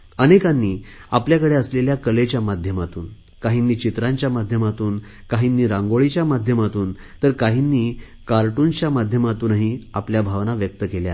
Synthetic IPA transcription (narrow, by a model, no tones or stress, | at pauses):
ənekãnːiːapljakəɽeəsleljakəlet͡ɕjamad̪ʱjəmat̪uːn | kaɦinːiːt͡ɕit̪ɾãɲt͡ɕjamad̪ʱjəmat̪uːn | kaɦinːiːɾãŋɡoɭit͡ɕjamad̪ʱjəmat̪uːn | t̪əɾkaɦinːiː | kaɾʈunt͡ɕjamad̪ʱjəmat̪uːnaɦiapljabʱaʋnaʋjək̚t̪əkelja